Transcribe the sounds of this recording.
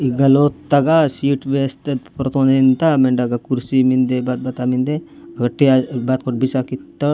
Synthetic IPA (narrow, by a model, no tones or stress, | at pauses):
iɡɐloːt̪ːɐɡasiːʈʋeːst̪ɐpɾt̪ʰõnint̪ameɳɖɐɡakuɾsimind̪ebat̪̚bɐt̪amind̪e | ɐɡɐʈeabaːt̪̚koʈ̚bisakit̪ːɐ